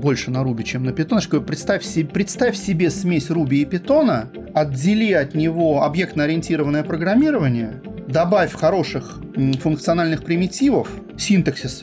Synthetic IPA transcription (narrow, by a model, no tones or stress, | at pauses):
bo̞lʲʂɨnɐɾubʲɪt͡ɕemnəpʲɪt̪onʂkopɾʲɪt̪st̪afʲsʲɪpɾʲɪt̪st̪afʲsʲɪbʲesmʲesʲrubʲɪːpʲɪt̪o̞nə | ɐddʲɪlʲiɐt̪nʲɪvo̞ɐbje̞k̚t̪nəɐɾʲɪɪnʲtʲiɾəvənːəjəpɾəɡɾɐmʲːiɾəvənʲɪjəd̪ɐbafʲxɐɾo̞ʂɨx | fʊnkt̪sɨɐnalʲnɨxpɾʲɪmʲɪtʲivəf | sʲint̪əksʲɪs